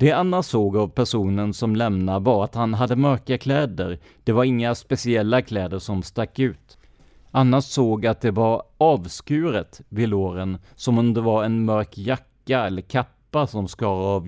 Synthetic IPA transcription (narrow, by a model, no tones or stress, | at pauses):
d̪̥ɛanːasoːɡavpʰæʂuːnənsɔmlɛmnavaɾat̪hanɦad̪ːəmœɾkakʰlɛːd̪əɾ | d̪̥ɛvaɾɪŋːaspɛsɪɛlːakʰlɛːd̪əʂɔmst̪akːʉ̟ːt̪ | anːaʂsoːɡat̪̚d̪ɛvaɾɑːvskʉ̟ːɾət̪vɪloːɾən | sɔmɔmd̪ɛvaɾɛnmœɾkjakːaɛlːəɾkʰapːasɔmskɑːɾaɑv